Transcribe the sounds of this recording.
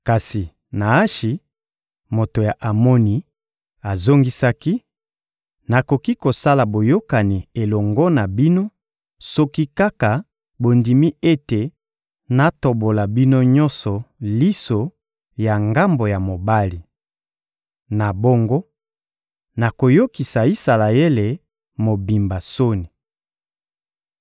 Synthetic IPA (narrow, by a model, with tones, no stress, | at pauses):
ka˨si˨ | na˨a˦ʃi˨ | mo˨to˨ja˨ʔa˨mo˦ni˨ | a˨zo˦ŋɡi˦sa˦ki˦ | na˨ko˨ki˦ko˨sa˦la˨bo˨jo˦ka˨ni˨e˨lɔ˨ŋɡɔ˦na˨bi˦no˦ | so˦ki˦ka˦ka˨ | bo˨ndi˨mi˦e˦te˨ | na˨to˨bo˨la˨bi˦no˦ɲɔ̃˦nsɔ˨li˦so˨ | ja˨ŋɡa˦mbo˨ja˨mo˨ba˦li˨ | na˨bo˦ŋɡo˦ | na˨ko˨jo˦ki˨sa˨i˦sa˨la˨e˦le˨ | mo˨bi˨mba˨so˦ni˨